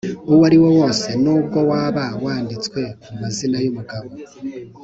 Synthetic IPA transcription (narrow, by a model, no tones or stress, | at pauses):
uwaɾiwo̞wo̞ːse̞nuːb̚ɡo̞waβawaːndit͡swe̞mumazinajomuɡaβo